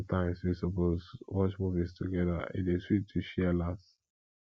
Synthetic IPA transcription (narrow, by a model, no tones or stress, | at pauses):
tʰãɪ̃mswisɔposwɔt͡ʃmuvistʰuɡɛðə̰ɪ̰deswitʰːuʃɛlast